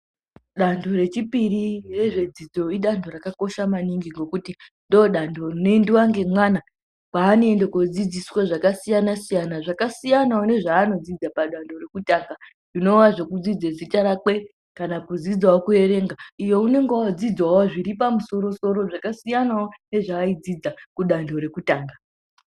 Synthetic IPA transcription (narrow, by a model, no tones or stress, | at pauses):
ɗando̞re̞t͡ʃipirire̞ʐe̞d͡zid͡zo̞iɗando̞ɾakako̞ʃamaniŋɡiŋɡo̞kutindo̞ːɗando̞rine̞ndiwaŋɡe̞mwana | paːnendekod͡zid͡ziswaʐakasijanasijanaʐakasijanaone̞ʐaːno̞d͡zid͡zapaɗandʱo̞re̞kutaŋɡa | ʐino̞ʋaʐe̞kud͡zid͡zezit͡ʃaɾake̞ | kanapud͡zid͡zwawokue̞ɾe̞ŋɡaijo̞une̞ŋɡad͡zid͡zwawoʐiɾipamuso̞ɾo̞so̞ɾo̞ʐakasijanaone̞ʐaːid͡zid͡zakuɗandʱo̞ɾe̞kutaːŋɡa